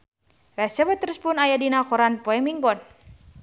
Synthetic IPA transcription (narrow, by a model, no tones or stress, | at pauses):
rɛsəbət̪əɾuspunajadinakɔɾanpɔɛmiŋɡɔn